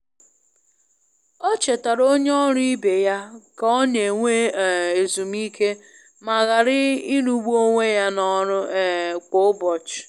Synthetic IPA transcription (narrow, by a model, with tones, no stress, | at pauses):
ɔ˦t͡ʃe˨ta˨ɾo˦ɲe˦ɔ˦ɾʊ˦i˦be˨ja˦ka˨ɔ˦ɲe˨ŋʷe˦˨e˨zu˨m˦i˦kʰe˦ | ma˨ɣa˨ɾɪ˦i˦nu˦ɡ͡bu˦o˦ŋʷe˦ja˦nɔ˦ɾʊ˦ko˦bɔ˨t͡ʃ